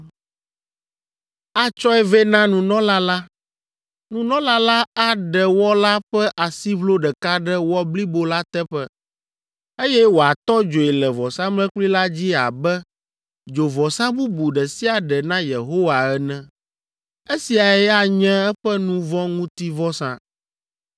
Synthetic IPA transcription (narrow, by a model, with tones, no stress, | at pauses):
a˦t͡ʃɔ˦ɛ˦vɛ˦nã˦nũ˨nɔ̃˦la˦la˦ | nũ˨nɔ̃˦la˦la˦a˦ɖɛ˨wɔ˦la˦ɸɛ˦ʔa˨si˦βlo˦ɖɛ˨ka˦ɖɛ˦wɔ˦bli˦bo˦la˦t̪ɛ˦ɸɛ˦ | e˦jɛ˦wo˨a˨t̪ɔ˦d͡ʒo˨i˨lɛ˨vɔ˨sã˦mlɛ̃˦k͡pli˦la˦d͡ʑi˦a̰˨bɛ˦ | d͡ʒo˨vɔ˨sã˦bu˦bu˨ɖɛ˨si˦a˨ɖɛ˨nã˦jḛ˨ɦo˦wa˨ɛ˦nɛ̃˦ | e˦si˨a˨ɛ˦a˨ɲɛ̃˦ɛ˦ɸɛ˦nũ˦vɔ̃˦ŋũ˦t̪i˦vɔ˦sã̰˨